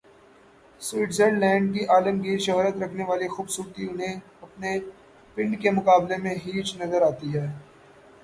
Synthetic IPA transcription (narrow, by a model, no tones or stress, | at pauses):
swiːʈzeɖlɛ̃ːɳɖ̚k̬iʔaːləmɡiːɾʃɐɦːɾət̪ɾɐkʰneʋaːlixuːbsuːɾt̪iʊnɦẽ | ɐpne | pɪ̃ɳɖkemʊkaːblemẽɦiːt͡ʃnɐzəɾaːt̪iɦɛː